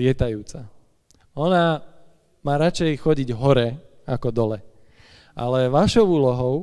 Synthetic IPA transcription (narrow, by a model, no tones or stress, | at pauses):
ɪɛt̪ajuːt͡sa | ɔna | maːɾat͡ʃɛjxɔɟiɟɦɔɾɛ | akɔd̪ɔlɛ | ʔa̰lɛʋaʃɔʊuːlɔɦɔʊ